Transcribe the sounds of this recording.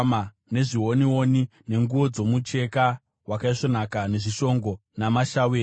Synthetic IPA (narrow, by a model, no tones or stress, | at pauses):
ma | ne̞ʐiɦoniwonine̞ŋɡuʋo̞d͡zo̞mut͡ʃe̞ka | wakaiʂo̞nakane̞ʐiʃo̞ŋɡo̞namaʃaweː